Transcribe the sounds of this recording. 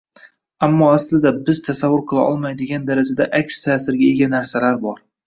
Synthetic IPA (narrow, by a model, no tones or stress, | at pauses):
amːɒaslɪd̪abɪz̥t̪ʰasavːʊɾqʰɨlˠa̰ʔɒlˠmajd̪ɪɡʲand̪aɾad͡ʒad̪aʔakʲst̪ʰaːsɪɾɡʲae̞ɡʲanaɾsalaɾbɒɾ